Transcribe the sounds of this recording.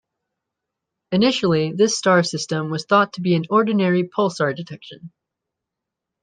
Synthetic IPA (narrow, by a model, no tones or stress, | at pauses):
ɨnɪʃl̩ˠiðɪstɑɹsɪstə̃mwʌz̥θɔtʰəbiɨ̃nɔɹdⁿn̩ɛɹipʰʌlˠstɑɹdɨtʰɛkʃɨ̰̃n